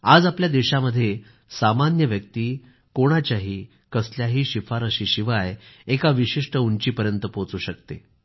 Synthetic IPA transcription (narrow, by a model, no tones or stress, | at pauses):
ad͡zapljad̪eɕaməd̪ʱːje | samanjəʋjək̚t̪iː | koɽ̃at͡ɕjaɦiː | kəsljaɦiːɕifaɾəɕiːɕiʋajekaʋiɕiʂʈəuɲt͡ɕiːpəɾjənt̪əpot͡suːɕəkt̪e